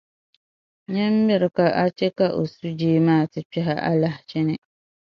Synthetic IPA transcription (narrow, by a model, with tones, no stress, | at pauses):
ɲɛ˦m̩˦mɪ˦ɾɪ˨ka˨ʔa˦t͡ʃɛ˦ka˦ʔo˨su˦d͡ʒeː˦maː˦˨tɪ˨pɛ˦ɦa˦ʔa̰˦la˦ht͡ʃɪ˦nɪ˦